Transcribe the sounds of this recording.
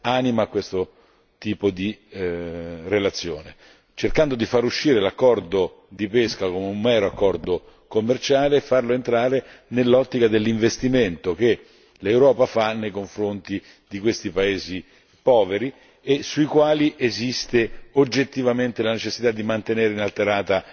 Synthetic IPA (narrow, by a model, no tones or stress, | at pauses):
animakːwest̪o | t̪iːpod̪i | relat̪sːjoːne | t͡ʃerkand̪od̪ifaɾuʃːiːɾelakːɔrd̪o | d̪ipeskakomeumːɛːɾoakːɔrd̪o | komːert͡ʃaːleːfːarloent̪ɾaːɾenelːɔt̪ːikad̪elːiɱvest̪iment̪ok̟e | lewɾɔːpafanːejkoɱfɾont̪i | d̪ikwest̪ipaeːzi | pɔːveɾi | esuikwaːliʔezist̪eod͡ʒːet̪ːivament̪elanet͡ʃesːit̪ad̪ːimant̪eneːɾeinalt̪eɾaːt̪a